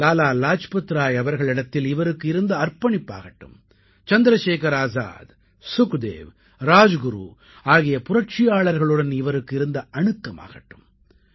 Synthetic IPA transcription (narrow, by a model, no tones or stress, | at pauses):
laːlaːlaːt͡ʃpɐt̪ːɾaːjɐʋɐɾɣɐɭɪɽɐt̪ːɪlɪʋɐɾɯkːɯɪɾɯnd̪ɐːɾpɐɳɪpːa̰ːɣɐʈːɯ̰m | t͡ʃɐnd̪ɪɾɐʃeːkɐɾaːza̰ːd̪ | sʊkd̪ḛːʋ | ɾaːd͡ʒɡʊɾṵː | aːɣɪjɐpʊrɐʈt͡ʃɪjaːɭɐɾɣɐɭɯɽɐnɪʋɐɾɯkːɪɾɯnd̪ɐʔɐɳɯkːɐma̰ːɣɐʈːɯm